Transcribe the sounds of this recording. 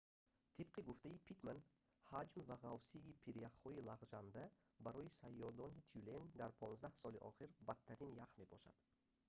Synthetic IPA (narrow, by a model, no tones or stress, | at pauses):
t̪ʰib̚qʰiɡuft̪aipʰit̪man | had͡ʒmvaʁavsiːpʰiɾjaχhɔilaʁd͡ʒand̪a | baɾɔisajːɔd̪ɔnit͡ʃʰulend̪aɾpʰɔnzd̪ahsɔliʔɒ̰χiɾbat̪ʰːaɾinjaqme̞bɔʃa̰d̪̥